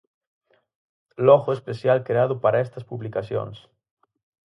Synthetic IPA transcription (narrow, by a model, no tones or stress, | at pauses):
lɔɣoespesjalkɾeað̞ʊpaɾaest̪ɐspuβlikasjo̰ns